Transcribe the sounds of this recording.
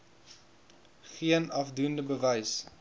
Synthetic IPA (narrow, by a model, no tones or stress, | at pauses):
χiənɐfdundəbəvɛjs